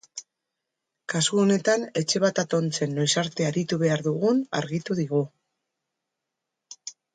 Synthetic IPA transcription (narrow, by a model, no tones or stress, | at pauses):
kaskuo̞ne̞t̪ane̞t͡ʃe̞β̞at̪at̪o̞nt͡se̞nːo̞jsaɾt̪e̞aɾit̪uβe̞aɾðuɣuna̰ɾɣit̪uðiɣ̞u